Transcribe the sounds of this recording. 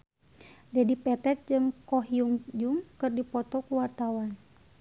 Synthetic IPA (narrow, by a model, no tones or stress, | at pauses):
dɛdipɛt̪ɛt̪̚d͡ʒɨŋkɔɦjuŋd͡ʒuŋkɨrdipɔt̪ɔkuwart̪awan